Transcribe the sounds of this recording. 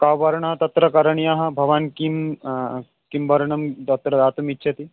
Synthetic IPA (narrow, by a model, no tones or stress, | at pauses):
kaːwʋɐɾɳɐɦɐt̪ɐt̪ɾɐkɐɾɐɳjaɦɐ̆bʱɐʋaːnkim | kimbɐɾɳɐmt̪ɐt̪ɾɐd̪aːt̪umitːʃʰɐt̪i